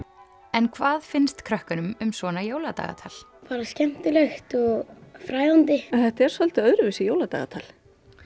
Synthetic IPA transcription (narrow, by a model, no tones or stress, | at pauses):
ɛnkʰvaːðfɪnst̪kʰɾœhkʏnʏmʏmsvɔːnajoːwlat̪a̰ːɣa̰t̪ʰa̰ːl | faːɾascɛm̥t̪ʏlɛxt̪ɔɣfɾaːjðant̪ɪθɛht̪aɛɾ̥sœl̥t̪ʏœːðɾʏvɪsɪjoːwlat̪a̰ːɣat̪ʰa̰ːl